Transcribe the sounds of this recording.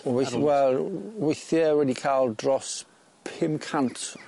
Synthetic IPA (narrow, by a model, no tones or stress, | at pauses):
wewɛlˠwejθjɛwɛdikʰaːlˠdrɔs | pʰɪmkʰantʰ